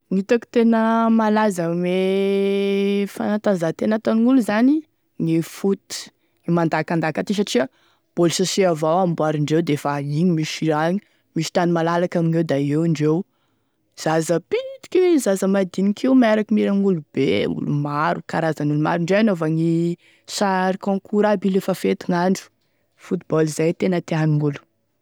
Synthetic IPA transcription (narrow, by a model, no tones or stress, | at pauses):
ŋit̪aki̥t̪enəmalazəme | fa̰nat̪azat̪enat̪aniŋuluzani | ŋifut̪i̥ | ŋimand̪akand̪akat̪is̬aʈ͡ʂiə | b̥olsasiavawambuaɾiɳɖ͡ʐewd̪efaiɲimiʃiɾaɲi | misi̥t̪animalalakaminewd̪aewɳɖ͡ʐew | z̥azəpinit̪i̥kʲiwzazəmad̪inikʰiwmeɾakimiɾaŋulub̥eṵlṵmaɾukaɾazanuluma̰ɾiɳɖ͡ʐeanovaŋi | saɾikɔ̃ŋkʰuɾabilefafet̪iŋaɳɖ͡ʐu̥ | fut̪ibɔlizajt̪enət̪eaniŋulu̥